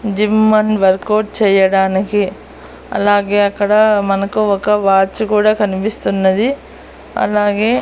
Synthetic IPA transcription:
d͡ʒimːɐnʋɐɾkoːʈ̚t͡ʃɛjːɐɽaːnɐke | ɐ̰lːaːɡeɐkːɐɽɐmɐnɐkːuʋɐkːɐʋaːt͡ʃːukuːɽɐkɐnipist̪unːɐd̪i | ɐ̰lːaːɡeː

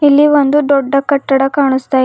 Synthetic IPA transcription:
ilːiʋond̪ud̪ɔɖːɐkɐʈːɐɽɐkaːɳ̃ust̪aj

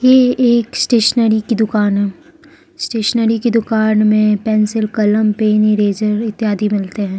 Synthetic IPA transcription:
jeeːksʈeːʃənəɾikid̪ʊkaːnɦɛː | sʈeːʃnəɾikid̪ʊkaːnmẽpɛ̃ːnsɪlkɐləmpeːniɾeːd͡ʒəɾɪt̪ːɪjaːd̪ʱimɪlt̪eɦɛ̃ː

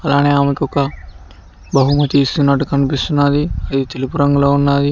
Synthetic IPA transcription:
ɐlaːneːaːmɐkɔkɐ | bɐɦumɐt̪iːst̪unːɐʈːukɐnipist̪unːaːd̪iɐd̪it̪elipuɾɐŋɡulo̞ːunːaːd̪i

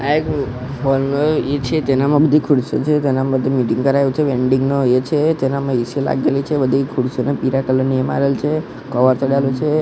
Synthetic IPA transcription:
aek | ɦɔlnoet͡ʃʰet̪enamə̃bəd̪ʱikʰuɽso̰t͡ʃʰet̪enamd̪ʱmiʈiŋɡkəɾajũt͡ʃʰeʋeɳɖiŋɡnoet͡ʃʰet̪enamãisila̰ɡelit͡ʃʰebəd̪ʱikʰuɽsonepiɾakələniəma̰ɾelt͡ʃʰe | kəʋəɾt͡ʃəɽalut͡ʃʰe

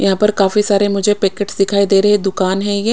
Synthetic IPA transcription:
jɐɦãːpɐɾkaːfisaːɾemʊd͡ʒʱepeːkeʈsd̪ɪkʰaːid̪eːɾɐɦed̪ʊkaːnɦɛ̃jɛː

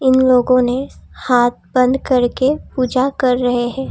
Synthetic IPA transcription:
ɪnloːɡõnehaːt̪̚bɐ̃nd̪kɐɾkepuːd͡ʒakɐɾːɐɦeɦɛ̃ː

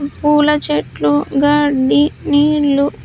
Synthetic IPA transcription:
puːlɐt͡ʃeʈluɡɐɖiniːɭːu

